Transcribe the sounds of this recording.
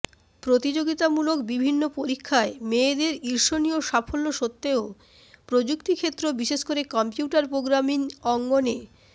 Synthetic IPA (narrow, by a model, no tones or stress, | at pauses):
pɾot̪id͡ʑoɡit̪amulokbibʱinːopoɾikʰːaemed̪eɾiɾʃonijoʃafolːoʃot̪ːeo | pɾod͡ʑukt̪ikʰet̪ːɾobiʃeʃkoɾekɔmpiuʈaɾpɾoɡɾaminɔŋɡone